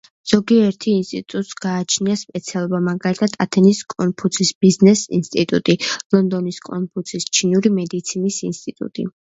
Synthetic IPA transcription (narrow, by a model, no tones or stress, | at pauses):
z̥ɔɡiɛɾt̪ʰiːnst̪ʼḭt̪ʼut̪ʼsɡ̥aːt͡ʃʰniaspʼɛt̪sʰialˠɔbamaɡalit̪ʰad̪̥ʰat̪ʰɛniskʼɔnpʰut̪sʰisb̥iznɛsḭnst̪ʼit̪ʼṵt̪ʼilˠɔnd̪ɔniskʼɔ̰npʰut̪sʰist͡ʃʰinuɾimɛd̪it̪sʰinisinst̪ʼit̪ʼṵt̪ʼḭ